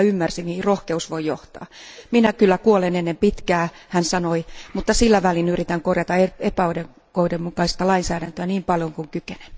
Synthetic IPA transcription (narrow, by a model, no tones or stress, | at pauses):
ymːærsimiirohkeusʋoijoht̪ɑ̰ːminækylːækuolenenːempit̪kæːhænsɑnoimut̪ːɑsilːæʋælinyrit̪æŋkorjɑt̪ɑeepæoideŋ | koidemmukɑist̪ɑlɑinsæːɾænt̪øæniːmpɑljoŋkuŋkykene̥n